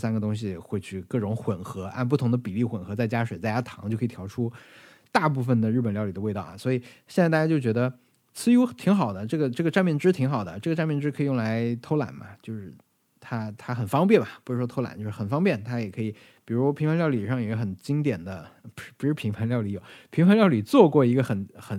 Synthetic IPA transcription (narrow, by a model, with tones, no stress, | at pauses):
sa˥nɡə˨˧t̪ʊ˥ŋɕ̬i˨ɛ˨˩xwe˥˧ɪt͡ɕʰy˥˧kɤ˥˩ʈ͡ʂʊ˧˥ŋxwə˨˩nxɤ˧˥a̰˥˧np̬u˥˩t̪ʰʊ˧˥ŋd̪ə˧pi˨˩li˥˩xwə˨˩nxɤ˧˥t͡sa˥˩ɪt͡ɕja˥ʂwe˨˩ɪt͡sa˥˧ɪt͡ɕʰa˥t̪ʰɑ˧˥ŋt͡ɕjo˥˧kʰːt̪ʰjɑ˧˥ʊʈ͡ʂʰu˥ | t̪a˥˧pu˥˩fə˨˩nd̪ə˩ɻ̩˥˩pə˨˩nljɑ˥˩ʊli˨˩d̪ə˧wɪt̪ɑ˥˩ʊ̰˨˩swɔ˧˥i˨˩ɕjɛ˥˧t͡sa˥˧t̪a˧˩ja˥t͡ɕjo˥˩ʊt͡ɕɥɛ˧˥d̪ə˧ | t͡sʰɹ̩˥˧u˧˥t̪ʰi˧˥ŋxɑ˨˩ʊd̪ə˦ʈ͡ʂɤ˥˩ɡə˩ʈ͡ʂɤ˥˩ɡə˩ʈ͡ʂa˥˧nmjɛ˥˩nʈ͡ʂɻ̩˥t̪ʰi˧˥ŋxɑ˨˩ʊd̪ə̰˦ʈ͡ʂɤ˥˩ɡə˩ʈ͡ʂa˥˧nmjɛ˥˩nʈ͡ʂɻ̩˥kʰɤ˧˥i˨˩jʊ˥ŋ˧la˧˥ɪt̪ʰo˥ʊla̰˨˩˦nbɐ̰˦t͡ɕjo˥˧ʊʂɻ̩˥˩ | t̪ʰa˥t̪ʰa˥xə˨˩nfɑ˥ŋp̬jɛ˥˩nbɐ˩pu˧˥ʂɻ̩˧˥ʂwɔ˥t̪ʰo˥ʊla̰˨˩˦nt͡ɕjo˥˧ʂɻ̩˥˩ə˨˩nfɑ˥ŋpjɛ˥˩nt̪ʰa˥jɛ˨˩kʰɤ˧˥i˨˩ | pi˨˩ɻu˧˥ʂpʰi˧˥ŋʰfa˧˥nljɑ˥˧ʊli˨˩i˨˩ʂɑ˥˩ŋji˥ɡə˧˥xə˨˩nt͡ɕi˥ŋt̪jɛ˨˩nd̪ə˦˧˩pu˧˥ʂɻ̩˥pʰi˧˥ŋpʰa˧˥nljɑ˥˩ʊli˧˥jo˨˩ʊpʰi˧˥ŋfʰa˧˥nljɑ˥˩ʊli˨˩t͡swɔ˥˧kwɔ˥˩i˧˥ɡə˧xə˨˩˦nxə˨˩n